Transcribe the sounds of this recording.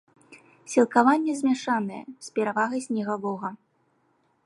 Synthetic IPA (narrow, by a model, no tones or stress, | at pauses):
sʲilˠkavanʲːɛzʲmʲaʂanɐjɛ̰sʲpʲɛɾavaɣɐjsʲnʲɛɣalˠɔɣɐ